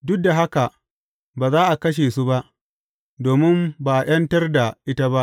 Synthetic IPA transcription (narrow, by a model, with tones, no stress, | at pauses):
dʊ˦k̚da˨ɦa˦ka˨ | baː˨zaː˦ʔa˨kɐ˦ʃ̬eː˨su˦ba˦ʔ | doː˨mɪ˦mbaː˨ʔa˨j̰ɐ˦ntɐ˦rda˨ʔɪ˦ta˦ba˦ʔ